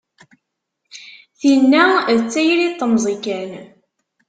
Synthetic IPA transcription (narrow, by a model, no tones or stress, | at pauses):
θinːæðt͡sːæjlit̪ˤːəmzˤikæn